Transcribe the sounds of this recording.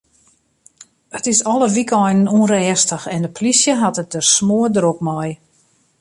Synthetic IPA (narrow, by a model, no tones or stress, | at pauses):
ətɪsɔləʋikɔjnənunrɛːstəxɛndəpʰlisjəɦatət̚dəsmoədrokmɔj